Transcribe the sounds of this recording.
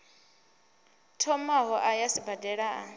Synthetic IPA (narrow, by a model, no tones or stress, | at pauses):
tʰɔmaɦɔʔajasibadɛɺaa